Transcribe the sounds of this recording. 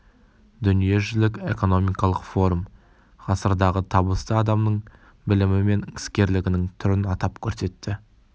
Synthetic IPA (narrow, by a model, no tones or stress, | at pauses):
d̪ʏnije̞ʒʏlɪkʲe̞ko̞no̞mijkɑlˠəqfo̞ɾum | ʁʰɑsəɾd̪ɑʁət̪ʰɑbəst̪əɑd̪ɑmnəɴ | bɪlɪmɪme̞nɪ̥skʲe̞ɾlɪɡʲɪnɪŋt̪ʰʏɾɪnɑt̪ɑpkʲʰɵɾse̞t̪ːɪ